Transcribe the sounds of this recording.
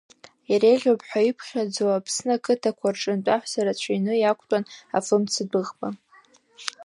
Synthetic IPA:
jaɾejʁʲopʰħʷᶣaipʰχʲad͡zowapʰsnakʰɨtʰakʷʰarʈ͡ʂʼɨntʷʼaħʷsaɾat͡ɕʷʰajnɨjakʷʰʼtʼana̰fɨmt͡sʰɨdɨʁbʼa

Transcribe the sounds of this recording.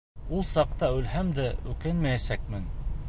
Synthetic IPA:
ulˠsɑqt̪ɑʉlhæmd̪æʉkɘnmæjæsæk̚mɘn

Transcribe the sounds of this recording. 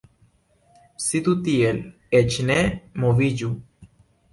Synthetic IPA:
sit̪ut̪iel | et͡ʃnemoviɟu

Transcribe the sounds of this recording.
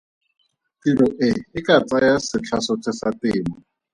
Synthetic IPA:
tiɾʊʔɪɪkat͡sajasɪt͡ɬʰasʊt͡sʰɪsatɪːmɔ

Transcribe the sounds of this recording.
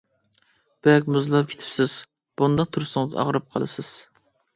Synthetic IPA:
b̥ɛkʲmuzlˠɑp̚kʲʰe̥t̪ʰɪ̥psɪz̥ | b̥und̪ɑq̚t̪ʰuɾɨsɨŋɨzɑ̰ʁɾɨp̚qʰɑ̰lˠɨ̰sɨz̥

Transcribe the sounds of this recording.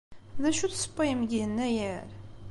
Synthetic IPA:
ðæʃuθsə̥pːɑjəmɡinːæjəɾ

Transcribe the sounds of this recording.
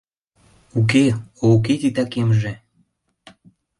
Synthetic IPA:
uk̬eouk̬et̪it̪ɑkemʒĕ

